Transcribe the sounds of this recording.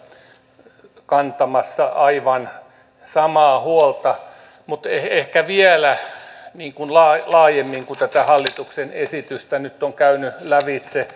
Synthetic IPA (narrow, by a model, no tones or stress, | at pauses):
kɑnt̪ɑmɑsːɑʔɑiʋɑn | sɑmɑːhuolt̪ɑ | mut̪ehehkæʋielæniːŋkunlɑːlɑːjemːiŋkut̪æt̪æhɑlːit̪uksenesit̪yst̪ænyt̪ːoŋkæynylæʋit̪se